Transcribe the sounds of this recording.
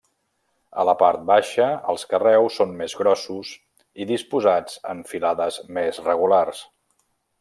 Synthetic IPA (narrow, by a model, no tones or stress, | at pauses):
ələpaɾt̪̚baʃəə̰lˠskərɛwsːonmezɣɾɔsuz | iðispuzad͡zə̰ɱfilaðəzmezrəɣ̞ulars